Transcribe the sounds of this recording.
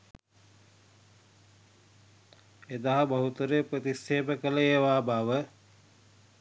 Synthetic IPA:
ed̪aɦɐbaɦut̪uɾepɾət̪isːeːbəkələeːʋaːbaːʋə

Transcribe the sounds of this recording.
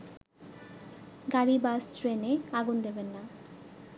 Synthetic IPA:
ɡaɾibastɾeneaɡund̪ebenːa

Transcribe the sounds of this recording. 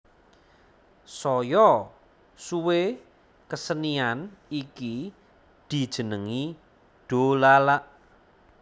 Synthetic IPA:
sɔjɔ | suwe | kəsənianiki | d̪̥i̤d̥ʒ̥ə̤nəŋi | ɖ̪̥olalaʔ

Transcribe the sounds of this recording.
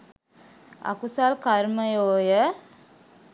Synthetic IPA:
a̰kusalkaɾməjoːjə

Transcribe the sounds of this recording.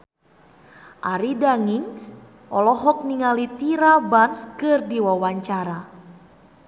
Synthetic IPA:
ʔaɾidaŋiŋs | ʔɔlɔɦɔk̚niŋalit̪iɾabanskɨrdiwawaɲt͡ʃaɾa

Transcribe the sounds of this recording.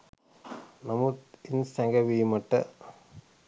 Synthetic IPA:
nɐmut̪insɐŋɡɐʋiːmɐʈːɐ

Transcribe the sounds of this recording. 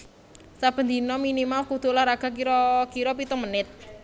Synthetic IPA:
sab̥ə̤nd̪inɔminimalkud̪̥ʊ̤lahɾaɡ̥a̤k̬iɾɔkiɾɔpit̪əmənɪt̪̚

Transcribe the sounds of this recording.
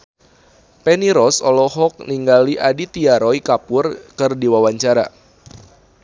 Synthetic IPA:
pɛniɾɔsɔlɔɦɔk̚niŋɡaliʔadit̪iaɾɔikapʊrkɨrdiwawaɲt͡ʃaɾa̰

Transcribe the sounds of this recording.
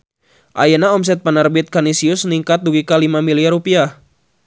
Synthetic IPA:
ʔajanaɔms̬ɛt̪̚panərbɪt̪̚kanisiʊsniŋkat̪̚duɡikalimamiliarupiah

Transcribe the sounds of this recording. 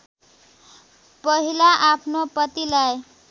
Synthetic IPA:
pʌɦilaʔapʰnopʌt̪ilaj

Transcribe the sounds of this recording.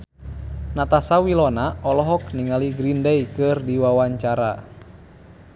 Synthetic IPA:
nat̪asawilɔnaɔlɔɦɔk̚niŋaliɡɾindɛjkɨrdiwawaɲt͡ʃaɾa̰

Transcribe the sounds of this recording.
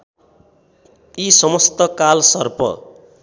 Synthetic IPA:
isʌmʌst̪ʌkalsʌrpʌ̰

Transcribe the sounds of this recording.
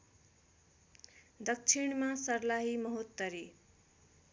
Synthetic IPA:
d̪ʌk̚t͡sʰiɳ̃masʌrlaɦimʌɦut̪ːʌɾi

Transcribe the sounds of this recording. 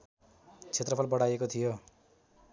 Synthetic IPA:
t͡sʰet̪rʌpʰʌlbʌɽajekot̪ʰijo

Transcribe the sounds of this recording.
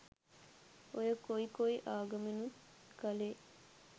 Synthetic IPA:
ojəkoikoiʔaːɡɐmenukɐleː

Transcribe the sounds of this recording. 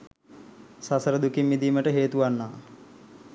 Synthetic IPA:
sasəɾəd̪ukimːid̪iːməʈəɦeːt̪uʋanːaː

